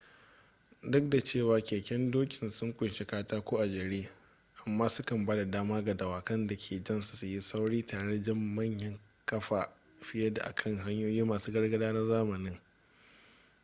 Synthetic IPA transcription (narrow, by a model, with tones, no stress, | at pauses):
dʊ˦k̚da˨t͡ʃeː˦˨waː˨kʲeː˨kʲɛ˦ndoː˦kʲɪ˨nsʊ˦ŋkʷʼʊ˨nʃe˦kaː˦taː˦kʷoː˦ʔa˨d͡ʒɐ˨ɽiː˦ | ʔa˨mːaː˦sʊ˦kɐ˨mbaː˦da˨daː˦maː˦ɡa˨dɐ˨waː˨kɐ˦nda˨kʲʰeː˨d͡ʒɐ˦˨nsu̥˨su˨ji˦sa˦wɽiː˦taː˨ɽe˦d͡ʒɐ˦mːɐ˦˨ɲjɐ˦ŋ | kɐ˦ɸaː˨ | ɸɪ˦jɐ˦da̰˨ʔa̰˨kʰɐ˦ŋɦa˦ɲjoː˦jiː˦maː˨suː˦ɡɐ˦rɡɐ˦daː˦nɐ˦zaː˦mɐ˨nɪ˦ŋ